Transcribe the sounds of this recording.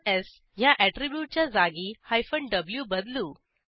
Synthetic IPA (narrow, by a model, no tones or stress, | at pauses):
ɛs | jaʔɛʈɾibjuːʈ̚t͡ɕjad͡zaɡihajfəɳɖɖəbljubəd̪luː